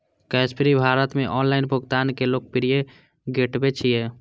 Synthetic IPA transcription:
kɛspiɾibʱaːɾət̪mẽʔɔːnlaːɪnbʱʊɡt̪aːnkeloːk̚pɪɾije | ɡeʈbet͡ʃʰije

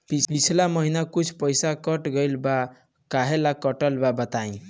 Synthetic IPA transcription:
pipit͡ʃʰlaməɦinakut͡ʃʰpəjsakəʈɡəjlba | kaɦelakəʈəlbabət̪aĩ

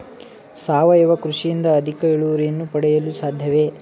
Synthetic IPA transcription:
saːʋɐjɛʋɐkɾuʂijind̪ɐːd̪ʱikɐiɭuʋɐɾijɐnːupɐɽɛjɐlusaːd̪ʱjɐʋe

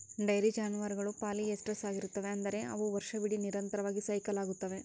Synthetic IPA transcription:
ɖɐjɾid͡ʒaːnuʋɐɾiɡɐɭupaːliesʈɾɐsaːɡiɾut̪ːɐʋe̞ɐnd̪ɐɾe̞ʔɐ̰ʋuʋɐɾʃɐbiɽiniɾɐnt̪ɐɾɐʋaːɡisɐjkɐlaːɡut̪ːɐʋe̞

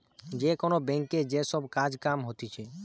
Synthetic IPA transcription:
d͡ʒekonobɛŋked͡ʒesɔbkad͡ʒkamɦot̪it͡ʃʰɛ

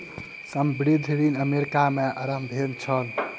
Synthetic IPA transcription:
səmbɾid̪ʱɾinəmeɾikameʔəɾəmb̪ʱent͡ʃʰəl

